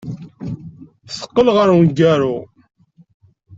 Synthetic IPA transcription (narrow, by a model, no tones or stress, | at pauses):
sə̥qːəlʁəɾnɡæɾu